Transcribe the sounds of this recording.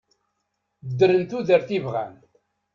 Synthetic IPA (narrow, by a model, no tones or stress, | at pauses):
əd̪əɾənt̪uðəɾθivʁæ̰n